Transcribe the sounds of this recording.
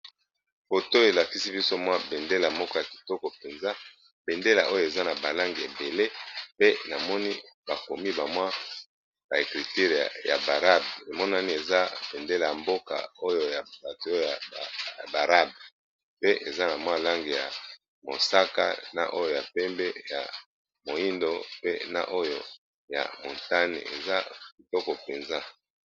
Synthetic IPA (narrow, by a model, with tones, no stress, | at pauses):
fo˨to˦e˨la˨ki˦si˦bi˦so˦mwa˦be˨nde˦la˨mɔ˦kɔ˦ja˨ki̥˨tɔ˦kɔ˨pe˨nza˦ | b̥e˨nde˦la̰˨ʔo˦jo˨e˨za˦na˨ba˨la˦ŋɡe˨ḛ˨be˨le˦pe˦na˨mɔ˦ni˦ba˨ko˨mi˦ba˨mwa˦ | ba˨e˨kʁi˨ti˦ʁja̰˨ba˨ʁa˦be˨mɔ˦na˦ni˦e˨za˦b̥e˨nde˦la˨ja˨mbo˦ka̰˨o˦jo˨ja˨ba˨to˨˦o˦o˦a˨ba˨ʁa˦b | pe˦ʔe˨za˦na˨mwa˦la˦ŋɡi˨ja̰˨ | mo̰˨sa˦ka̰˦na̰˨ʔo˦jo˦˨ja˨pɛ˦mbɛ˦ja̰˨ | mo˨i˦ndo˦pe˦na̰˨ʔo˦jo̰˦ | ja̰˨mõ˨nta˦nḛ˨ḛ˨za˦bi˨tɔ˦kɔ˨pe˨nza˦